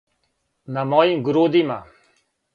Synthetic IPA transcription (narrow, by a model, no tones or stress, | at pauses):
namɔːĩːɡʊɾoːd̪iːmãː